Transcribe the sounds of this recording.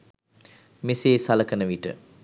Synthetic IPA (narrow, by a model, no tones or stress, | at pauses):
miseːsaləkənəʋiʈə̰